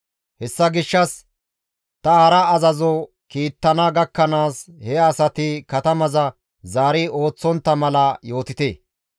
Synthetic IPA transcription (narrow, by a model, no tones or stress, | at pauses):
hɛsːɐɡɪʃːɐs | t̪ɐhɐɾɐːzɐzɔ | kiːt̪ːɐnɐɡɐkːɐnaːshɛɐsɐt̪ɪkɐt̪ɐmɐzɐ | zaːɾɪo̞ːt͡sːɔnt̪ːɐmɐlɐjo̞ːt̪ɪt̪eː